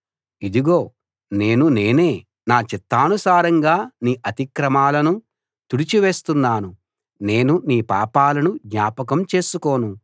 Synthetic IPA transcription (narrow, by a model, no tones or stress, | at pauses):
id̪iɡo̞ː | ne̞ːnune̞ːne̞ː | naːt͡ʃit̪ːaːnusaːɾɐŋɡaːniːʔɐt̪ikɾɐmaːlɐnu | t̪uɽit͡ʃiʋe̞ːst̪unːaːnu | ne̞ːnuniːpaːpaːlɐnud̪ɲaːpɐkɐmt͡ʃe̞ːsuko̞ːnu